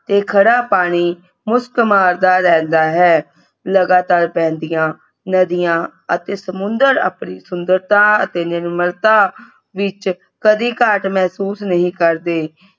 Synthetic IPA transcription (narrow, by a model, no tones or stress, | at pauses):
t̪eːkʰəɽaːpaːɽ̃iː | mʊskmaːɾd̪aːɾɛ̃ːnd̪aːɦɛː | ləɡaːt̪aːɾpɛ̃ːnd̪ijãː | nəd̪ijãːət̪eːsəmʊnd̪əɾa̰ːpniːsʊnd̪əɾt̪ãːət̪eːnɪɾməɾt̪ãː | ʋɪt͡ʃ | kəd̪iːkaʈmɛːsuːsnəɦĩːkəɾd̪eː